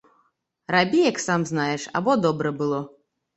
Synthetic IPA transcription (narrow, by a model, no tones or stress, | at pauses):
rabʲijaksamznajɛʂa̰bɔd̪ɔbɾɐbɨlˠɔ